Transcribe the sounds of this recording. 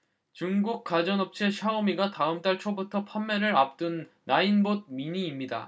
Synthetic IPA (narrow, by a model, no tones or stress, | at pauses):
t͡ɕuŋɡuk̚k͈ad͡ʑʌnʌp̚t͡ɕʰeɕʰaɯmiɡataɯmt͈aɭt͡ɕʰobutʰʌpʰamːeɾɯɾap̚t͈ɯnː | ainbod̚miɲiːmɲida̰